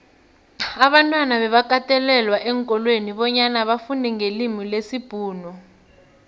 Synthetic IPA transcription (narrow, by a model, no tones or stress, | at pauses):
aɓantʼwanaβɛβak̬ʼatʼɛlɛlwaʔɛŋkʼɔlweniɓɔɲanaɓafundɛŋelimilesib̥ʱuːnɔ